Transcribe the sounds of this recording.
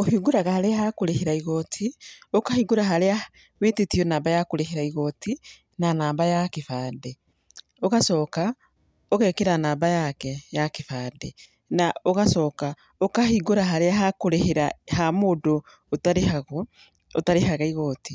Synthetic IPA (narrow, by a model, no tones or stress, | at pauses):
ohiɡuɾaɣahaɾeaɦakoɾeheɾaiɣɔtʰiokahiɡoɾaɦaɾea | wetetionaːmbajakoɾeɦeɾaiɣɔtʰi | nanaːmbajakefaːde | oɣasɔːka | oɣɛkeɾanaːmbajakɛjakefaːde | naoɣasɔːka | okahiɡoɾaɦaɾeaɦakoɾeheɾahamoːdo | otaɾehaɣo | otaɾeɦaɣaiɣɔti